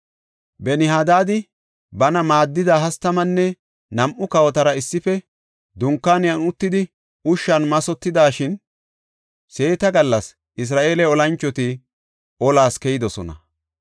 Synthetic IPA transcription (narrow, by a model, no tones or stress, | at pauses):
bɛnɪhaːd̪aːd̪ɪ | bɐnɐmaːd̪ːɪd̪aːɦɐst̪ːɐmɐnːɛ | nɐmʔʊkɐwɔt̪ɐɾɐɪsːɪfɛ | d̪ʊŋkːaːnɪjɐnʊt̪ːɪd̪ɪ | ʊʃːɐnmɐsɔt̪ːɪd̪aːʃɪn | se̞ːt̪ɐɡɐlːɐs | ʔɪs̬ɾaːʔe̞ːlɛɔlɐnt͡ʃːɔt̪ɪ | ʔɔlaːskɛjɪd̪ɔsɔnɐ̰